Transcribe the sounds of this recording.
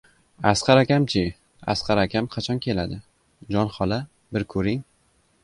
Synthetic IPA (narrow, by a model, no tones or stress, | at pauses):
asqɑɾakʲamt͡ʃʰɪ | a̰sqʰɑɾakʲʰamqʰɑt͡ʃʰɒnkʲʰe̞lad̪ɪ | d͡ʒɒnχɒla | bɪɾkʰɵɾɪŋ